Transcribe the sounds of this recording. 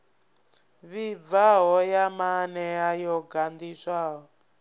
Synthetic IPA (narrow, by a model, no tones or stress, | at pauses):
βib̪vaɦɔjamanɛjajɔɡand̪iʂaːɦɔ